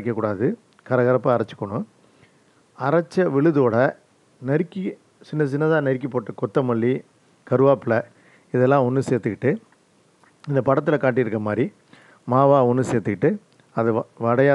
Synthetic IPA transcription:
ɐkːɐkːuːɽaːðɯ | kɐɾɐɣɐɾɐpːɐɐɾɐt͡ʃːɯ̥kːɐɳʊ̃ | ɐɾɐt͡ʃːɐʋɪɭɯðoːɽɐ | nɛɾɪkːi | sɪnːɐs̬ɪnːɐðãːnɛɾɪk̬ːipoːʈːɯkɔt̪ːɐmɐɭːi | kɐɾɯʋaːpɪɭɐ | ɪðɛlːãːɔnːɯseːɾt̪ɯkɪʈːɯ | ɪnd̪ɐpɐɽɐt̪ːɪlɐkaːʈ̬ːiɪɾɯkːɐmaːd̪ɾi | maːʋaːɔnːɯseːɾt̪ːɯkɪʈːɯ | ɐðɯʋɐɽɐjaː

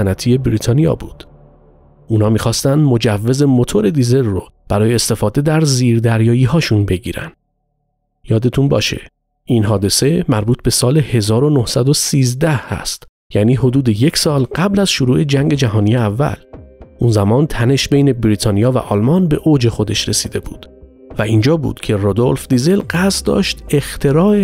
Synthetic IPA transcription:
ænæt̪ʰije̞bɾiːt̪ʰɒːnijɒ̰ːbuːd̪̥ | ʔuːnɒːmiːxɒːst̪ænd̪mo̞d͡ʒævːe̞ze̞mo̞t̪ʰo̞ɾe̞d̪ize̞lːo | b̥æɾɒːje̞ːst̪e̞fɒːd̪e̞d̪æɾziːɾd̪æɾjɒːjiːɦɒːʃunbe̞ɟiːɾæ̰nd̪̥ | jɒːd̪et̪ʰunbɒːʃe̞̰ | ʔinɦɒːd̪e̞se̞mæɾbuːt̪̚ʰbe̞sɒːle̞he̞zɒːɾo̞nohsæd̪o̞siːzd̪æhhæ̰st̪ | jæːniːɦo̞d̪uːd̪e̞je̞cʰsɒːlɢæblæzʃoɾuːʔe̞d͡ʒæŋɟe̞d͡ʒæɦɒːnijeævːæ̰lʔunzæmɒːnt̪ʰæne̞ʃbe̞jne̞bɾiːt̪ʰɒːnijɒːvæ̰ʔɒːlmɒnbe̞ʔoːd͡ʒe̞xo̞d̪e̞ʃɾe̞siːd̪ebṵːd̪̥ | væind͡ʒɒːbṵːd̪̥cʰe̞rod̪o̞lfd̪izelɢæsd̪ɒ̰ːʃt̪e̞xt̪ʰe̞ɾɒːe

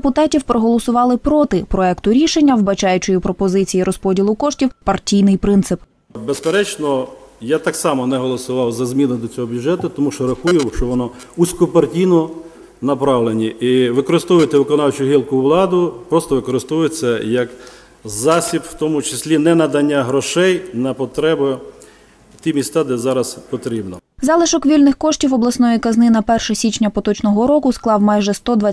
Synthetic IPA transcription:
dpʊt̪ɑtʲiwpɾɔɦɔlˠɔsʊʋɑlˠɪpɾɔt̪ɪpɾɔɛkt̪ʊɾʲiʃenʲːɐwbɐt͡ʃɑjʊt͡ʃʊjipɾɔpɔzɪt͡sʲijiɾɔspɔdʲilˠʊkɔʃtʲiwpɐrtʲijnɪjpɾɪnt̪sɪp | bespeɾɛt͡ʃnɔjat̪ɑksɑmɔnɛɦɔlˠɔsʊʋɑwzɐzmʲinʊd̪ɔt͡sʲɔɦɔbʲjʊd͡ʒɛt̪ʊt̪ɔmuʃt͡ʃɔɾɐxujʊwʃt͡ʃɔʋɔnɔ | usʲkɔpɐrtʲijnɔ | nɐpɾɑʋlˠenʲiiʋɪkɔɾɪst̪ɔʋʊjɪt̪ɪʋɪkɔnɑwt͡ʃʊɦilˠkʊʋlˠɑd̪ʊpɾɔst̪ɔʋɪkɔɾɪst̪ɔʋʊjet͡sʲːɐjɐk | zɑsʲipw̥t̪ɔmʊt͡ʃesʲlʲinɛnɐd̪ɐnʲːaɦɾɔʃɛjnɐpɔt̪ɾɛbʊ | t̪ʲimʲist̪ɑd̪ɛzɑɾɐzpɔt̪ɾʲibnɔzɑlˠɪʃɔkʋʲilʲnɪxkɔʃtʲiwɔblˠɐsnɔjikɐznɪnɐpɛrʃɐsʲit͡ʃnʲɐpɔt̪ɔt͡ʃnɔɦɔɾɔkʊsklˠɑwmɑjʒɛst̪ɔd̪ʋa

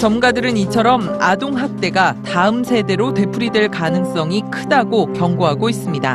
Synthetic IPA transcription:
t͡ɕʌmɡadɯɾɯnit͡ɕʰʌɾʌmadoŋɦak̚t͈e̞ɡataɯmsʰe̞de̞ɾote̞pʰuɾidweɭkanɯŋs͈ʌŋikʰɯdaɡokjʌŋɡoɦaɡois͈ɯmɲida̰

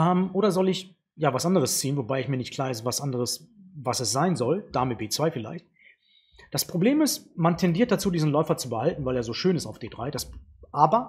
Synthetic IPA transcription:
ɛːmʔoːɾɐzɔlɪç | jaːvasʔandəʁəst͡siːənvobaɪɪçmiːɐnɪçtkl̥aːɐɛs̬v̥asʔandəʁ̞əsvasɛsz̥aɪnzɔld̥aːmɪbeːt͡sv̥aɪfɪla̰ɪçt̚ | d̥aspʁ̥obleːmɪstmantʰɛndiɐt̚d̥at͡suːdiːzn̩lɔʏfɐt͡subəhaltn̩vaɪleːɐzoːʃøːnɪstaʊfd̥eːd̥ʁaɪd̥asʔaːbɐ

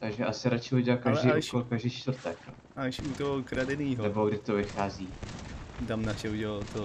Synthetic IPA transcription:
t̪aɡʒɛʔasɪɾat͡ʃɪuɟɛlakaʒdiːukolkaʒdiːt͡ʃt̪vr̩t̪ɛk | aʃut̪oɦokɾadɛniːɦnɛboɡdɪt̪ovɪxaːziː | t̪amnaʃɛuɟɛlalt̪o

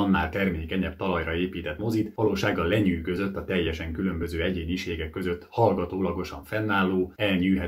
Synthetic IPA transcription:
nːaːlt̪ɛrmeːkɛɲɛpt̪ɒlɒjrɒeːpiːt̪ɛt̪mo̞zit̪ʋɒloːʃaːɡːɒlːɛɲyːɡø̞zø̞t̪ːɒt̪ɛjːɛʃɛŋkylø̞mbø̞zøːɛɟeːɲiʃeːɡɛkːø̞zøt̪ːhɒlɡɒt̪oːlɒɡo̞ʃɒɱfɛnːaːlːoːɛlɲyːɦɛ

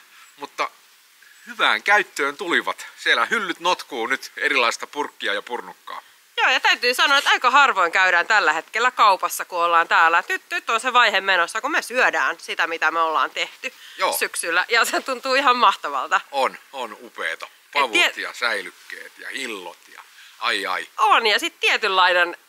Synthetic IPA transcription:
mut̪ːɑ | hyʋæ̰ːŋkæyt̪ːøːnt̪uliʋɑt̪sielæhylːyt̪not̪kuːnyt̪erilɑist̪ɑpurkːiɑjɑpurnukːɑ̰ː | joːjɑt̪æyt̪yːsɑnoɑet̪ɑikɑhɑrʋoiŋkæyɾæːnt̪ælːæhet̪kelːækɑupɑsːɑkuolːɑːnt̪æːlːæet̪nyt̪nyt̪ːonseʋɑihemːenosːɑkumesyødæːnsit̪æmit̪æmeolːɑ̰ːnt̪eht̪yjoːsyksylːæjɑset̪unt̪uːihɑmmɑht̪ɑʋɑ̰lt̪ɑononupḛːt̪ɑ | pɑʋuet̪jɑ̰sæilykːḛːt̪jɑ̰hilːo̰t̪jɑ̰ʔɑiɑ̰ionjɑsit̪t̪iet̪ylːɑinen

